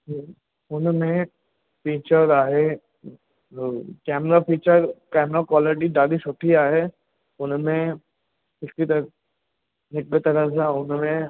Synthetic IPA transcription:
ʊnmẽ | fiːt͡ʃəɾaːɦe | kɛːmɾafiːt͡ʃəɾkɛːmɾakwaːlɪʈ̬iɖaːlisʊʈʰiaːɦe | ʊnmẽ | ɪskit̪ɐ | nɪk̚ɡət̪ɐɾəzaʊnmẽ

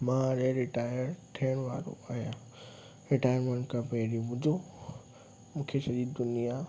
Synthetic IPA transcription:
mãɾeɾɪʈaːjəɾʈʰiəɽ̃ʋaːɾo̰aːɦijã | ɾɪʈaːjəɾmẽɳʈkãpeːɾibʊd͡ʑʱo | mũːkʰesɐɾid̪ʊnija

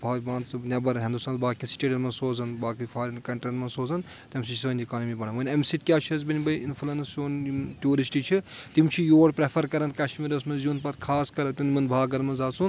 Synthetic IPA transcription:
bʱaːbãːnt̪t͡sɨnʲɐbɐɾɦĩnd̪ust̪aːnbaːkisi̥ʈeːɖɐnmɐnsoːzɐnbaːkipʰaːɾɐnkɐɳʈɾʲinmɐnsoːzɐn | t̪ʲɐmsit͡ʃʰisʋɐnʲd̪ʲikaːnɐmibɐɳɐnʋɐnʲɐmsiʈ̪̚ʲkʲaːt͡ʃʰizbinʲbɐjinfʰulɐnsjoːnt̪ʲjuːɾisʈit͡ʃʰit̪imt͡ʃʰijoːɽpɾepʰɐɾkɐɾɐnkɐʃmiɾɐsmɐzjuːnpɐt̪kʰaːskɐɾɐt̪ʲinmɐnbʱaːɡɐɾmɐnzaːt͡sʰun

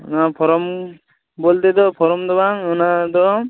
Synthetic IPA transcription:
napʰɔɾɔm | bolt̪ed̪ɔpʰɔɾɔmd̪ɔbaŋɔnad̪ɔ

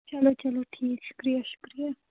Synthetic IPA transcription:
t͡ʃɐlot͡ʃɐloʈʰiːkʃʊ̥kɾijaʃʊ̥kɾija

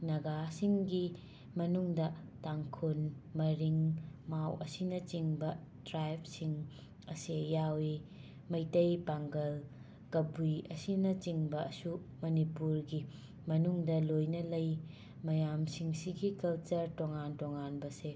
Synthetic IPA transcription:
nɐɡasiŋɡi | mɐnuŋdɐtaŋkʰunmɐɾiŋmawɐsinɐt͡ʃiŋbɐ | dɾajp̚ʰsiŋ | ɐsejawi | mɐjtɐjpaŋɡɐl | kɐbujɐsinɐt͡ʃiŋbɐːsu | mɐnipuɾɡi | mɐnuŋdɐlojnɐlɐj | mɐjamsiŋsiɡikɐlt͡ʃɐɾtoŋantoŋanbɐse

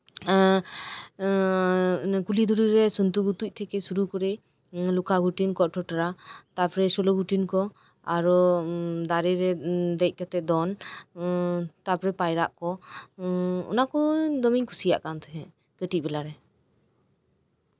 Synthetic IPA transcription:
kulid̪uɾiɾɛsunt̪uɡut̪uc̚ˀt̪ʰɛkɛsuɾukɔɾe | lukaɡuʈinkɔʈʰɔʈaɾat̪apɔɾɛsɔloɡuʈinkɔ | aɾud̪aɾiɾɛd̪ɛc̚ˀkɛt̪ɛd̪ɔn | t̪apɾɛpajɾaʔkɔ | ɔ̰nakɔd̪ɔmiŋkʰu̥sija̰ʔkant̪ʰɛɦɛ̃ | kəʈiʔ̚bɛlaɾɛ

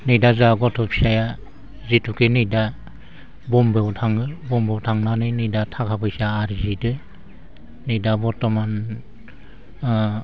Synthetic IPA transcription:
nɯjdazaɡɔtʰɔpʰi̥saja | zitʰukʰenɯjda | bɔmbewtʰaŋɯbɔmbewtʰaŋnanɯjnɯjdatʰakʰabɯjsaːɾizidɯ | nɯjdabɔtɔman

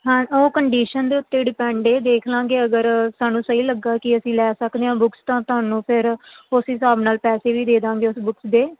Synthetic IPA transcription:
ɦãoːkəɳɖiːʃənd̪eːʊt̪ːeːɖɪpɛ̃ːɳɖeːd̪eːkʰlãːŋɡeːəɡəɾsaːnũːsəɦiːləɡːaːkɪəsĩːlɛːsəkd̪eːɦãːbʊkst̪ãːt̪ʊɦaːnũːpʰɪɾʊsɦɪsaːbnaːlpɛːseːʋiːd̪eːd̪ãːŋɡeːʊsbʊksd̪eː

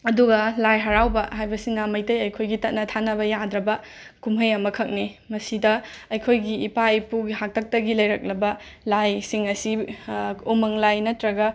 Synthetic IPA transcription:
ɐduɡɐlajɦɐɾawbɐɦajbɐsinɐmɐjtɐjɐjkʰojɡitɐt̚nɐtʰanɐβɐjad̪ɾɐbɐ | kumɦɐjɐmɐkʰɐk̚nimɐsidɐːjkʰojɡiːpajpuɡiɦak̚tʰɐk̚tɐɡilɐjɾɐk̚lɐbɐlajsiŋɐsi | umɐŋlajnɐtɾɐɡɐ

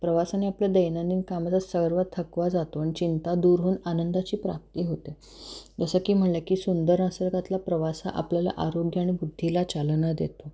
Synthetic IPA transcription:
pɾəʋasaneapljad̪əjnãnd̪iːnkamad͡zasəɡɾʋat̪ʰəkʋad͡zat̪oaɽ̃it͡ɕint̪ad̪uɾɦuːnanənd̪at͡ɕiːpɾap̚t̪iːɦot̪e | d͡zəsəkiːm̤əɳlakiːsund̪əɾnəsəɾɡat̪lapɾəʋasa̰ʔa̰pljala̰ʔaɾoɡjəaɽ̃ibud̪ʱːilat͡salənad̪ḛt̪o

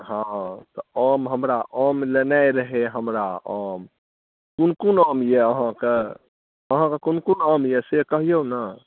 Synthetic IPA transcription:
ɦãt̪ɔəmɦəmɾaʔəmlenajɾəɦeɦəmɾaəm | kunkunəmjeəɦãke | əɦãkekunkunəmjesekəɦijona

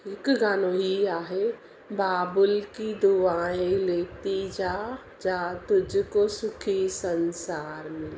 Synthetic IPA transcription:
ɪkɡaːnoɦiaːɦe | baːbʊlkid̪uʋaːẽleːt̪iːd͡ʒa | d͡ʒat̪ʊd͡ʒʱkosʊkʰisənsaːɾmɪl

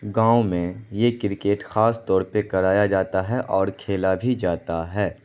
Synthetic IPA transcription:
ɡãːũmẽjekɪɾɪkeːʈxaːst̪ɔːɾpekɐɾaːjad͡ʒaːt̪aɦɛʔɔːɾkʰeːlabʱid͡ʒaːt̪aɦɛː

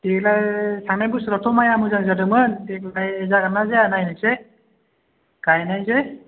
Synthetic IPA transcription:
deklajsaŋnajbusɾɔtʰɔmajamɯzaŋzadɯmɯndek̚lajɛzaɡanazeanajnɯse | ɡ̥ajnajze

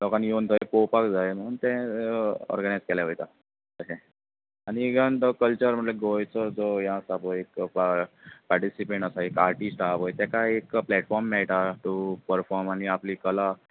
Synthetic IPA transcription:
lɔkãnjont̪ʰəepowpakd͡zaem̤əɽ̃uːnt̪ɛ̃ | ɔ̰ɾɡəñajd͡zkɛlaɦojt̪a | t̪əsɛ̃ | añiɡənt̪əkəlt͡ɕəɾm̤əʈleɡojt͡səd͡zojãsapojekppaɾʈisipẽɳʈəsaekaɾʈisʈapojt̪ɛkaekplɛʈfɔɾmːɛɭʈ̪aʈ̪upəɾfɔɾmaniapliːkəla

